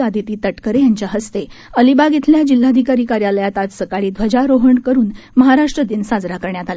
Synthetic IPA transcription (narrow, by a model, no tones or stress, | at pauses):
ad̪ʱit̪iːt̪əʈkəɾejaɲt͡ɕjaɦəst̪eəlibaɡit̪ʰljad͡ʑil̤ːad̪ʱikaɾikaɾjaləjat̪at̪səkaɭiːd̪ʱʋəd͡ʑaɾoɦəɳkəɾuːn | məɦaɾaʂʈɾəd̪iːnsad͡zɾakəɾɳjat̪ale